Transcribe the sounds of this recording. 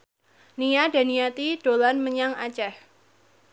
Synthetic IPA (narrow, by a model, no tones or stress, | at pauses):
nijada̤niat̪iɖ̥olanməɲaŋat͡ʃɛh